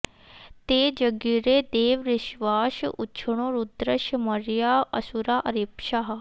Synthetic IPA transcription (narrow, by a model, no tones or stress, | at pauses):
t̪eːd͡ʒəɡiːɾeːd̪eːʋɾɪʃʋaːʃʊ̰tːʃʰəɳõːɾud̪ɾəʃəməɾɪjaːə̰suɾaːʔəɾiːpʃaːɦ